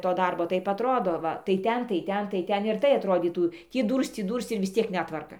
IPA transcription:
toː ˈdɐrboː ˈtɐɪp ɐtˈroːdoː ˈʋɐ tɐɪ ˈtʲɛn tɐɪ ˈtʲɛn tɐɪ ˈtʲɛn ɪr ˈtɐɪ ɐtˈroːdʲiːtuː ˈtʲiː ˈduːrst͡s ˈtʲiː ˈduːrst͡s ɪr ʋʲɪs ˈt͡sʲiɛk ˈnʲæːtʋɐrkɐ

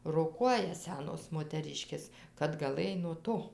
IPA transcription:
roːˈkuɔjɛ ˈsʲæːnoːs moːtʲɛˈrʲɪʃʲkʲeːs kɐt ɡɐˈlˠɘj nuɔ ˈtoː

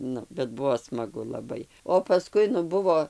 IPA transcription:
ˈnʊ bʲɛt ˈbuɔ smɐˈɡʊ lˠɐˈbɐɪ oː pɐˈskʊɪ nʊ ˈbʊʋoː

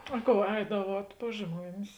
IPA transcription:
ɐ ˈkoːʊ ˈɛɪdɐʋuɔt pɐs ˈʒmuɔnʲɪs

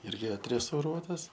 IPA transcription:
ˈɪrʲɡʲɪ ɐtʲrʲɛstɐʊˈruɔtɐs

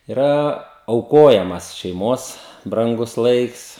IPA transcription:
ɪˈrɐ ɐʊˈkoːjɛmɐs ʃʲɛɪˈmoːs brɐŋˈɡʊs ˈlˠɐɪks

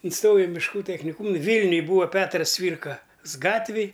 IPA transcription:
ɪnˈstoːjɛʊ ɪ mʲɪʃˈkuː tʲɛxʲnʲɪˈkuːm ˈʋʲiːlʲnʲʊj ˈbuːʋɐ ˈpʲæːtrɐs ˈt͡sʲʋʲiːrkɐs ˈɡɑːtʲʋʲeːj

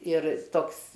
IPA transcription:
ɪr ˈtoːks

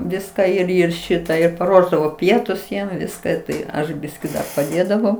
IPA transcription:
ˈʋʲɪskɑː ɪr ˈɪr ˈʃʲɪtɑː ɪr pɐˈruɔʒdɐʋoː ˈpʲiɛtʊs ˈjiɛm ˈʋʲɪskɐ ˈtɐɪ ˈɐʃ ˈbʲɪsʲkʲiː dɐr pɐˈdʲeːdɐʋɐʊ

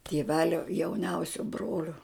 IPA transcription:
tʲeːˈʋʲæːlʲoː jɛʊˈnʲɛʊsʲoː ˈbroːlʲoː

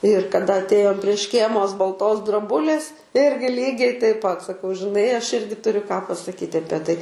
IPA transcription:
ɪr kɐˈdɐ ɐtʲˈeːjoːm pʲrʲiɛ ˈʃʲkʲeːmoːs bɐlˠˈtoːs droːˈbʊlʲeːs ˈɪrʲɡʲɪ ˈlʲiːɡʲɛɪ tɐɪp pɐt sɐˈkɐʊ ʒʲɪˈnɐɪ ˈɐʃ ˈɪrʲɡʲɪ tʊˈrʲʊ kɑː pɐsɐˈkʲiːtʲ ˈɑːpʲiɛ ˈtɐɪ

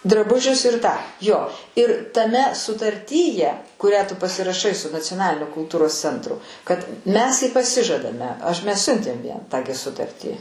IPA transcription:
drɐˈbʊʒʲʊs ɪr tɑː ˈjoː ɪr tɐˈmʲɛ sʊtɐrʲˈtʲiːjɛ kʊˈrʲæː tʊ pɐsʲɪrɐˈʃɐɪ sʊ nɐt͡sʲoːˈnɑːlʲɪnʲoː kʊlˠˈtuːroːs ˈt͡sʲɛntrʊ kɐt mʲɛs ɪ pɐˈsʲɪʒɐdɐmʲɛ ˈɐʃ mʲɛs ˈsʲʊnʲtʲeːm ˈjiɛm tɑː ɡʲɪ ˈsʊtɐrʲtʲiː

